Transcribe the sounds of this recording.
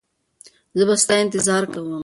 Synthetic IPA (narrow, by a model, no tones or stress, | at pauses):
zəbast̪ɑɪnt̪ɪzɑɾkawəm